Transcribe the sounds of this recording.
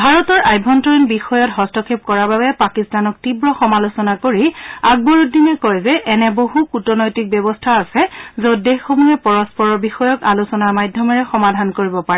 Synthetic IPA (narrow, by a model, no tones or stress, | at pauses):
bʱaɹɔtɔɹʔajbʱɔntɔinbixɔjɔtɦɔstɔkʰep̚kɔɹababɛpakistanɔk̚tibɹɔxɔmalosɔnakoɹiaɡ̚boɹutdinɛkɔjzɛʔɛnɛboɦukutɔnɔjtik̚bjɔβɔstʰaːsɛzodexomuɦɛpɔɹɔspɔɹɔɹbixɔjɔkalusɔnaɹmajdʱjɔmɔɹɛxɔmadʱankoɹibɔpaɹɛ